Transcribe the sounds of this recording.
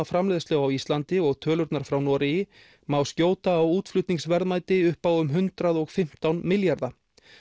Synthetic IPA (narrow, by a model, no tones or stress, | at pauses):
afɾamlɛːðst̪lœɣawist̪lant̪ɪɔɣt̪ʰœːlʏɾt̪naɾ̥fɾawnɔːɾɪjɪ | mawscjoːwt̪aːwuːt̪flʏt̪niŋsvɛɾðmaːjt̪ɪʏhpaːwʏmɦʏnt̪ɾaðɔɣfɪm̥t̪awnmɪljaɾða